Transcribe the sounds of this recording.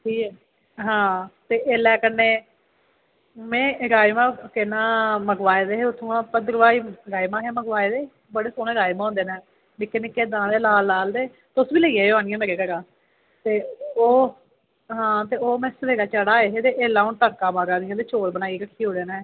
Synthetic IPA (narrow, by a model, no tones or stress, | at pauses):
ʈʰiːkɛː | ɦãːt̪eːʔeːlɛːkənːeː | mɛ̃ːɾaːjmãːkɪnãːməɡʋaːeːd̪eːɦeːʊt̪ʰːũːãːpəd̪əɾʋaːiːɾaːjmãːɦeːməɡʋaːeːd̪eː | bəɽeːsoːneːɾaːjmaːõːnd̪eːnɛː | nɪkːeːnɪkːeːd̪anãːd̪eːlaːlːaːld̪eː | t̪eʊsʋiːləiːɛːjoaːnɪ̃jãːmeɾeːkəɾãː | t̪eːoː | ɦãːt̪eːoːmɛ̃ːsəʋeːɾaːt͡ʃəɽaːeɦeːt̪eːʔeːlːãːʊnʈəːkãːmaːɡãːd̪ɪjãːt̪eːt͡ʃoːlbənaːiːɾəkʰːiːɦoːd̪eːnɛ̃ː